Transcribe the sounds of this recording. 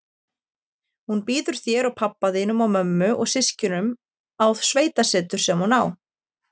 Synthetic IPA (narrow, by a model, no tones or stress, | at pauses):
hunpiːðʏɾ̥θjɛɾawpʰapːaðiːnʏmawmœmːʏʔɔ̰ɣsɪscʏnʏm | awð̥sveːjt̪asɛːt̪ʏɾ̥sɛmhunaw